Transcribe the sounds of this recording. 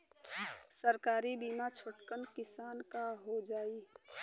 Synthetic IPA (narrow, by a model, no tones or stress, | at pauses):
səɾkaːɾibiːmat͡ʃʰʊʈkənkɪsaːnkaɦod͡ʒaːi